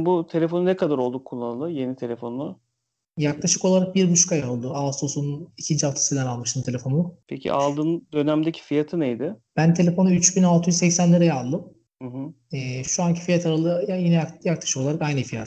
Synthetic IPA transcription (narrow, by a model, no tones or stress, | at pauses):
but̪ʰe̞lʲefo̞nunɛkʰad̪aɾo̞lˠd̪ukʰːolːˠanlˠɯje̞nit̪ʰelʲefo̞na | jaklˠaʃɯko̞lˠaɾak̚biɾbut͡ʃkʰajalˠd̪ɯaasosunicʰind͡ʒafˠt̪ʰi̥sid̪ænalˠmɯʃt̪ʰɯmt̪ʰe̞lʲe̞fo̞nupʰecʰḭʔa̰lˠd̪ɯːnd̪ø̞næmd̪ecʰi̥fijat̪ʰɯnejd̪ɪb̥ænt̪ʰe̞lʲefo̞nuyt͡ʃbinalˠt̪ʰɯjyzsɛcsænlʲeɾɛjaalˠd̪ɯm | hɯɦɯ | ɛːʃuancʰi̥fijat̪ʰaɾalˠɯjajinɛjakjaklˠḁʃɯkoaɾakajnɯfija̰t̪